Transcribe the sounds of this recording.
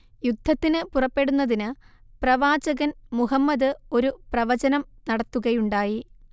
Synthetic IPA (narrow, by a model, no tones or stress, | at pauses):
jud̪ʱːɐt̪ːinɨpurɐpːe̞ɽunːɐðinɨprɐʋaːd͡ʑɐɣɐnmuɦɐmːɐðɨo̞ɾuprɐʋɐd͡ʑɐnɐmnɐɽɐt̪ːuɣɐjuɳɖaːji